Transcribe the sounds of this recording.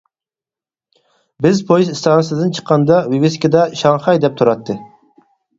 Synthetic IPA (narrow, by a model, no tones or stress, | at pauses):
bɪzpʰojizist̪ʰɑːnɨsɨd̪ɨnt͡ʃʰə̥qːɑnd̪ɑwiwɪskʲid̪ɑʃɑŋχɑjd̪ɛp̚t̪ʰuɾɑt̪ːɨ